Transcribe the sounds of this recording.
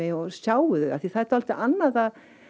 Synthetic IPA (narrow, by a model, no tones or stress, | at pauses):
ɪɔsaːwʏðʏɣaθiθaðɛht̪aalt̪ɪʔanːaðað